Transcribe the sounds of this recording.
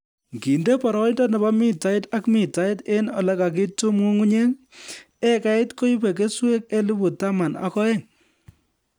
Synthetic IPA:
ŋɡi˨nde˦pɔ˨ɾɔ˨˦ɪ˦ndɔ˦nɛ˨ba˦mɪ˦ta˨ɪ˦ta˦kmɪ˨ta˨˦ɪ˦te˦nɔ̰˨lɛ˦ka˨k̬ɪ˦tu˦mu˦ŋu˦ɲe˦ŋ | e˦ka˦ɪ˦tko˦i˦pe˨ke˦swe˦k̚e˦li˦bʊ˨ta˦ma˨na̰˨˦kɔ˦ɛ˦ŋ

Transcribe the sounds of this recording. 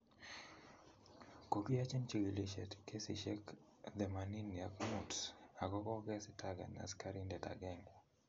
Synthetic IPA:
ko˨ki˦ja˦t͡ʃɛ˦nt͡ʃi˨ɡi˨le˨ʃɛ˨tke˦sḭ˨ʃɛ˦k | d̪ɛ˨ma˨ni˦ni˨a˨kmu˨tsa˨kɔ˦kɔ˦ɡɛ˦si˦tʰaɡa̰˨na̰˨ska˦ɾindɛ˨ta̰˨ɡɛ˦ŋ

